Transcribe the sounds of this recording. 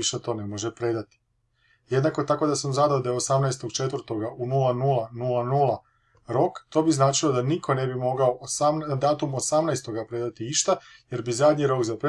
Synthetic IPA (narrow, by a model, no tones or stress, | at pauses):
iʃet̪o̞ːnemo̞ʒepɾe̞d̪at̪i̥ | je̞d̪nako̞t̪ako̞d̪asamzad̪aod̪ajeo̞samnajst̪oɡt͡ʃe̞t̪ʋrt̪o̞ɡaʔunulˠanulˠanulˠanuːlˠa | ɾo̞kt̪o̞ːbiznaːt͡ʃilo̞d̪anikʰo̞ne̞bimo̞ɡao̞ʔosamd̪aːt̪umo̞samnajst̪o̞ɡapɾe̞d̪at̪iiʃt̪aje̞ɾbizad̪ʲɲiɾo̞kzapɾe